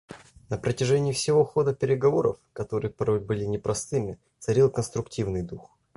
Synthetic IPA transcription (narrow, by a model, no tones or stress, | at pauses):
nəpɾətʲɪʐɛnʲɪːfsʲɪvo̞xo̞d̪əpʲɪɾʲɪɡɐvo̞ɾə̰fkɐt̪o̞ɾɨjəpɐɾo̞jʲbɨlʲɪnʲɪpɾʔɐst̪ɨmʲɪ | t̪sɐɾʲilˠkənst̪ɾʊktʲivnɨjd̪ux